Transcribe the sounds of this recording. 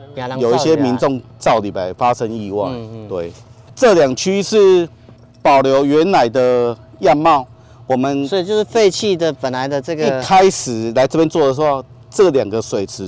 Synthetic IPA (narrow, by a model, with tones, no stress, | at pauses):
jo˨ʊi˥˩ɕjɛ˦mi˧˦nt͡sʊ˥˧ŋ | t͡sɑ˥˩ʊli˨˩pa˧˩ɪfa˦ʂə˦˥ŋi˥˧wɑ̰˥˨ŋt̪we˥˩ɪ | ʈ͡ʂɤ˥˨lja˨˩ŋt͡ɕʰy˥ʂɻ̩˥˩ | pɑ˨˩ʊljo˧˥ʊɥɛ˧˦nna˨˩ɪd̪ə˨ja˥˧nmɑ˥˨ʊ | wɔ˨˩mə˨nsɔ˥i˨t͡ɕjo˥˧ʂɻ̩˥˩fe˥˧ɪt͡ɕʰi˥˩d̪ə˨pə˨˩nla˨˦ɪd̪ə˧t͡sɤ˥˩ɡi˥˧kʰa˦ɪʂɻ̩˨˩la˧˥ɪt͡sɤ˥˧pjɛ˥nt͡swɔ˥˩d̪ə˨s̬xo˥˧˩ | ʈ͡ʂɤ˥˩lja˨˩ŋɡə˨swe˨˩ɪt͡sʰɻ̩˨˦